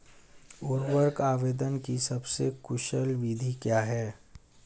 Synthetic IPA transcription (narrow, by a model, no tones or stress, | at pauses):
ʊɾʋəɾkaːʋeːd̪ənkisɐbsekʊʃəlʋid̪ʱikjaːɦɛː